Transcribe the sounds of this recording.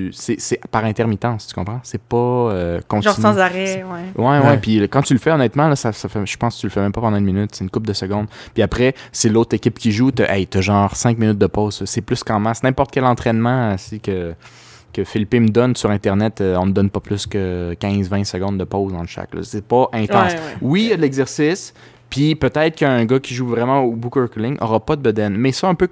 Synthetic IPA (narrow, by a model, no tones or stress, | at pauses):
sɛsɛpaʁɛ̃t̪ɛʁmit̪ɑ̃ːst̪y̥kɔ̃pχɑ̃sɛpɔøkɔ̃sʒsɑ̃zaʁɛwɛwɛwɛpikɑ̃t̪ylfɛɔnɛt̪mɑ̃lɔsasafɛʒ̥ə̥pɑ̃st̪t͡sylfɛmɛ̃mpɔpɑ̃d̪ɑ̃ynminʏt̪seːnkʊp̚d̪əsəɡɔ̃d̪piapχɛselot̪χekʲɪpkʲiʒut̪ɛʔɛjt̪ɛʒɑ̃ːʁsɛ̃kminʏt̪̚d̪əpɔʊzsəsɛplyskɑ̃masnɛ̃pɔʁt̪̚kʲɛlɑ̃t̪χɛnmɑ̃əsikə | kʲəfilpeməd̪ɔnsyʁɛ̃t̪ɛʁnɛt̪øɔ̃məd̪ɔnpɔplʏskʲəkʲɛ̃zvɛ̃səɡɔ̃d̪̚d̪əpozɑ̃ʃa̰klɔ̰sɛpɔʔɛ̃t̪ɑ̃swijad̪əlɛɡzɛʁsɪs | pipøt̪ɛɪt̪ʁkə̃ːɡʌkʲiʒuvʁɛmɑ̃obukøɹklɪŋʔɔ̰ʁɑpɔd̪əbəd̪ɛnmɛsɔɛ̃pø